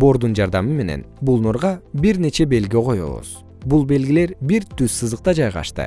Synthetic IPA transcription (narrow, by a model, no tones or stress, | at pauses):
bo̞ɾd̪und͡ʒɑɾd̪ɑmɯme̞ne̞̰nbulˠnoɾʁɑbiɾne̞t͡ʃe̞be̞lɡqʰo̞jo̰lˠṵz̥ | bulˠbe̞lɡile̞ɾbiɾt̪yzsɯzɯq̚t̪ɑd͡ʒɑjʁɑ̰ʃt̪ɯ̰